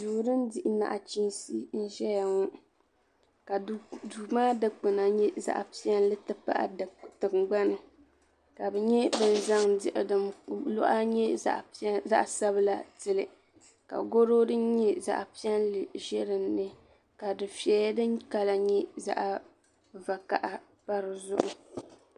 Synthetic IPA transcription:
duː˨ɾɨ˦ndɪ˨ʔɪ˨na̰˨ʔa˨t͡ʃi˦nsi˦n̩˦ʒɛ˦ja˨ŋɔ˦ | ka˨duː˨maː˦dɨ˦k͡pɨ˨na˨ɲɛ˦za̰˦ʔpi˦ɛ˦n˦lɨ˦tɨ˦pa̰˦ʔa̰˨tɨ˨mɡ͡ba˦nɨ˨ | ka˨bɛ˨ɲɛ˦bɨ˨n̩˨za˦ŋdɪ˨ʔɪ̰˨dɨ˨mlʊ̰˦ʔa˦ɲɛ̰˦˨ʔza̰˦ʔsa˦βɨ˦la˨tɨ˦lɨ˨ | ka̰˨ɡo˦ɾo˦dɨ˦n˦ɲɛ˦za̰˦ʔpi˦ɛ˦nlɨ˨ʒɛ˦ɾɨ˨nːɨ˦ | ka˨dɨ˨fi˨ɛ˨ja˦dɨ˦nka˦la˨ɲɛ˦za̰˦ʔa˨ | va˨ka˨ʔa˦ | pa˦ɾɨ˨zʊ̰˦ʔʊ̰˨

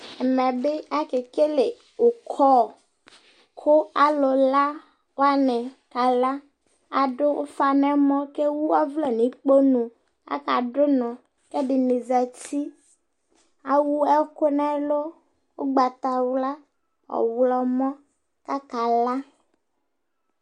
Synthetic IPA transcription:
ɛ˨mɛ̃˨bɪ˦a˦ke˨ke˦le˨ | o˨kʰɔ˦˨ | kʰʊ˦a˦lo˨la˦ | wo˦a˦nɛ˨ka˨la˦ | a˨ɖʊ˦ʔo˦fa˨nɛ̃˦mɔ̃˦ke˦wu˦a˦vlɛ˦nĩ˨˦k͡po˦nũ˨ | a̰˦ka˨ɖʊ˦nɔ̃˨ | kɛ˦ɖɪ˨ne˨za˨ti˦ | a˦wu˦ɛ˦kʊ˦nɛ̃˦lo˦ | wo˦ɡ͡ba˨t̪a˨wla˦ | ɔ̰˨wlɔ˨mɔ̃˦ | ka˦ka˨la˦

